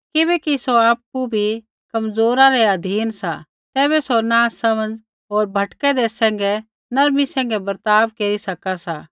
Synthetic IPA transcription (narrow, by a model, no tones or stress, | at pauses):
kɪβɛːkisoaːpːubʱi | kɐmzoːɾãɾɛɐd̪ʱiːnsa | t̪ɛːβɛsonaːsɐmə̃nd͡z | ɦoːɾbʱɐʈkɛd̪esɛ̃ːŋ̆ɡɛ | nɐɾmisɛ̃ːŋɡɛbɐɾt̪aːʋkeːɾisɐkasa